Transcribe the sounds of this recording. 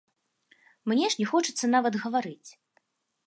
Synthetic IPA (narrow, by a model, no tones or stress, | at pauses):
mnʲɛʂnʲɛxɔt͡ʂɨt̪sːɐnavɐd̪ɣɐvaɾɨt͡sʲ